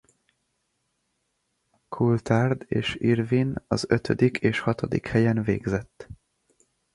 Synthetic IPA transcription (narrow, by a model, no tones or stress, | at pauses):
kʰult̪ard̪eːʃirvinɒ̰zøt̪ʰød̪ikʰeːʃhɒt̪o̞d̪ḭkhɛjɛnveːɡzɛt̪ː